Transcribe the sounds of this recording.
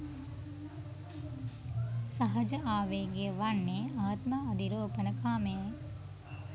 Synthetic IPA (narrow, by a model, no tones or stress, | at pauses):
saɦɐd͡ʒəʔaːʋeːɡeəʋanːeaːt̪maːɐd̪iɾoːpənəkʰaːmeje